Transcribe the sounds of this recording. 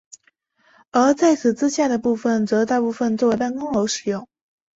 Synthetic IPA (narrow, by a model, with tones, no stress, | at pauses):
ə˞˧˥t͡sa˥˩ɪt͡sʰɹ̩˨˩t͡sɹ̩˥ɕja˥˩d̪ə˩pu˥˩fə˨˩nt͡sɤ˧˥t̪a˥˧pu˥˧fə˧nt͡swɔ˥˩we˧˥ɪpa˥˩nkʊ˥ŋo˧˥ʊʂɻ̩˨˩jʊ˥˩ŋ